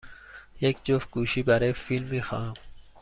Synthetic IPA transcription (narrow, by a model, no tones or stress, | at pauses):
ek̚t͡ɕofkuːɕibɐɾefilmixa̰ːm